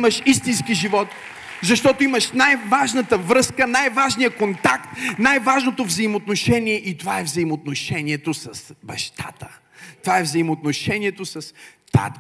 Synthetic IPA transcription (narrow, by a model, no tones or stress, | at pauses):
məʃist̪inskiʒivɔt̪ | zɐʃt̪ɔt̪oiməʃnajvaʒnət̪əvɾɤskənajvaʒnijəkont̪akt̪najvaʒnot̪ovzɐimot̪noʃɛniɛʔit̪ovaɛvzɐimot̪noʃɛniɛt̪osɐsbɐʃt̪a̰t̪ə̥ | t̪ovaɛvzɐimot̪noʃɛniɛt̪osɐst̪a̰t̪